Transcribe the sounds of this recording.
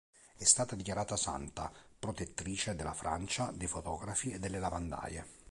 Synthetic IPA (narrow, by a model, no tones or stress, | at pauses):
ɛst̪aːt̪ad̪ikʲjaɾaːt̪asa̰nt̪apɾot̪et̪ːɾiːt͡ʃed̪elːafɾa̰nt͡ʃad̪ejfot̪ɔːɡɾafied̪ːelːelavand̪a̰ːjḛ